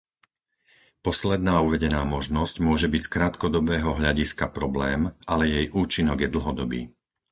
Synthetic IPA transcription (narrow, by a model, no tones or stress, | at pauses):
pɔslɛd̪naːuʋɛɟɛnaːmɔʒnɔscmʊɔʒɛbicskɾaːt̪kɔd̪ɔbɛːɦɔɦʎaɟiskapɾɔblɛːmʔalɛjɛjʔuːt͡ʃinɔɡjɛd̪l̩ɦɔd̪ɔbḭː